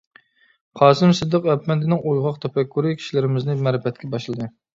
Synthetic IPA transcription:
qʰɑːsɨmsɨd̪ɨqæpmɛnd̪ɪnɪŋojʁɑqt̪ʰɛpɛkʰːuɾɨkʲʰi̥ʃilɪɾɪmɪznɪmɛɾɪfɛt̪̚kʲʰɛbɑʃlˠɨd̪ɨ

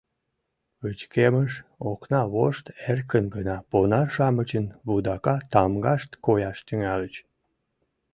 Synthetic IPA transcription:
βøt͡ɕkeməʃoknɑβoʃt̪erkənɡənɑponɑrʃɑmət͡ɕənβud̪ɑkɑt̪ɑmɡɑʃt̪kojɑʃt̪yŋælət͡ɕ

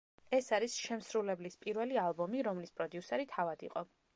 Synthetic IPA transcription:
ɛsaɾisʃɛmsɾulɛblispʼiɾvɛlialˠbɔmiɾɔmlispʼɾɔd̪ijusɛɾit̪ʰavad̪ḭqʼɔ

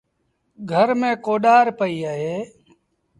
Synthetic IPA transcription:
ɡʱəɾmẽːkoːɗaːɾpəiːaːɦeː

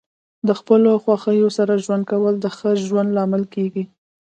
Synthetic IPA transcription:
d̪əxpəloxwɑxəjosaɾaʒwand̪̚kawəld̪əxəʒwand̪lɑmɪlkeɡi

